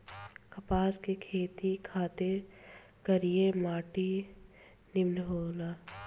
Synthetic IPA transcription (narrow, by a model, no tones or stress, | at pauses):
kɐpaːskekʰeːt̪ikʰaːt̪e | kɐɾiemaːʈi | nɪmlɦoːlaː